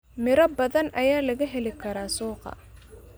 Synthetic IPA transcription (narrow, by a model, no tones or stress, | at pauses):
mɪɾɐbɐðɐnɐjaːlɐɣɐɦɛlɪkʰɐɾaːsuːqɑ̰